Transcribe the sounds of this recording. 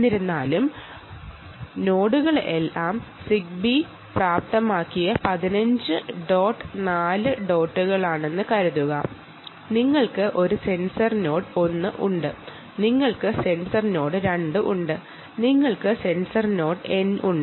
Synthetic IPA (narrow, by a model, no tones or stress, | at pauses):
iɾunːaːlum | no̞ːɽuɣɐɭelːaːmsik̚bi | praːp̚t̪ɐmaːkːijɐpɐðinɐɲd͡ʑɨɖo̞ːʈːnaːlɨɖo̞ːʈːuɣɐɭaːɳe̞nːɨkɐɾuðuɣɐ | niŋːɐɭkɨʔo̞ɾuse̞nsɐrno̞ːʈo̞nːɨʔuɳɖɨ | niŋːɐɭkɨse̞nsɐrno̞ːɽɨɾeɳɖɨʔuɳɖɨ | niŋːɐɭkɨse̞nsɐrno̞ːʈɨe̞nʔuɳɖ